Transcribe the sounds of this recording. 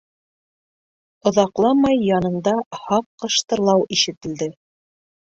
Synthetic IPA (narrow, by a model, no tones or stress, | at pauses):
ŏðɑqlˠɑmɑjːɑnɤ̆nd̪ɑhɑqːɤ̆ʃt̪ɤ̆ɾlˠɑwʔiʃɘ̆t̪ɘ̆ld̪ɘ